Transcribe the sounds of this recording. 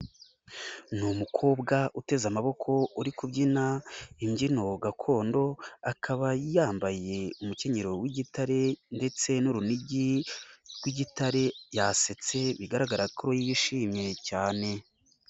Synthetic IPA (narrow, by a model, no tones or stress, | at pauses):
numukʰo̞ːbɡaʔute̞zamaβo̞kʰo̞uɾikubɟinaimɟino̞ɡakʰo̞ːndo̞akʰaβajaːmbaje̞umuce̞ɲeɾo̞wiɟitaɾe̞nde̞t͡se̞nuɾuniɟiɾɡwiɟitaɾe̞jase̞t͡se̞βiɡaɾaɡaɾakʰoɾojijiʃiːmɲe̞caːne̞